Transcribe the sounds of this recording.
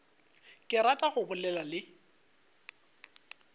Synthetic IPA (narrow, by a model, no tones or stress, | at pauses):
kʼɪɾatʼaχʊbʊlɛlalɪ